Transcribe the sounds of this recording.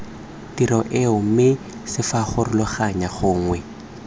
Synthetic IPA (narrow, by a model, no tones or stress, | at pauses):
tiɾɔʔɪʊm̩mɪ | sɪfaχʊrɪlɔχaɲaχʊːŋwɛ